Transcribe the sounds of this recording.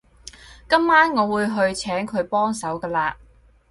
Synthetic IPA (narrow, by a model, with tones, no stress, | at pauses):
kɐ˥mːaː˥nŋɔː˨˧wuː˨˧jɦɵ˧ɥt͡sʰɛː˨˥ŋkʰɵ˨˧ɥpɔː˥ŋsɐ˨˥wkɐː˧laː˧